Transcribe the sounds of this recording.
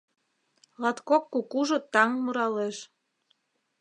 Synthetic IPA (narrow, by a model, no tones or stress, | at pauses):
lɑt̪kokːukuʒŏt̪ɑŋmuɾɑleʃ